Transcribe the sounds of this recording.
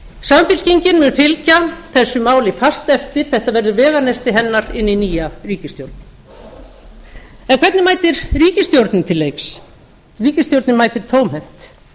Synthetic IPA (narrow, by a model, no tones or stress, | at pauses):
samfɪl̥ciɲcɪnmʏnfɪlcaθɛsːʏmaːwlɪfast̪ɛft̪ɪɾ̥θɛht̪avɛɾðʏɾvɛːɣanejst̪ɪɦɛnːaɾɪnːiniːjariːcɪst̪jowɾt̪nɪ | ɛnkʰvɛt̪nɪmaːjt̪ɪɾriːcɪst̪jowɾt̪nɪt̪ʰɪlːejks | riːcɪst̪jowɾt̪nɪmajt̪ɪɾ̥t̪ʰowmhɛn̥t̪